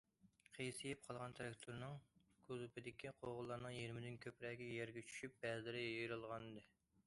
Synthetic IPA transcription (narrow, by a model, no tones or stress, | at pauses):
qʰejsɨjɛp̚qʰɑlˠʁɑnt̪ʰɾɑkt̪ʰuɾnɨŋkʰuzupʰɪd̪ɪkʲʰiqʰoʁʊlˠːɑɾnɨŋjiɾmɪd̪ɪnkʲʰøpɾɛːɡʲɛjɛɾɡʲɛt͡ʃʰy̥ʃyp̚bɛzɪɾɪjjejɾɨlˠʁɑnɨd̪ɨ